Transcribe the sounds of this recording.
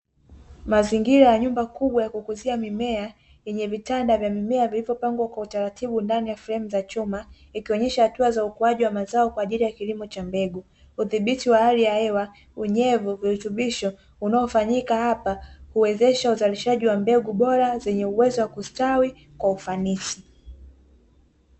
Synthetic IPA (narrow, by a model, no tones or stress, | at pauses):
maziŋɡiɾajaɲumbakuɓwajakukuziamimɛa | jɛɲɛvitandavjamimɛavilivjɔpaŋɡwakwautaɾatʰiɓundanijafɾɛmuzat͡ʃuma | ikiɔɲɛʃahatuazaukuaʄiwamazaɔkwaːʄilijakilimɔt͡ʃambɛɡu | uθiɓitiwahalijahɛwa | uɲɛvuvihutuɓiʃɔ | unaɔfaɲikahapahuwɛzɛʃauzaliʃaʄiwambɛɡuɓɔɾazɛɲɛuwɛzɔwakustawi | kwaufanisi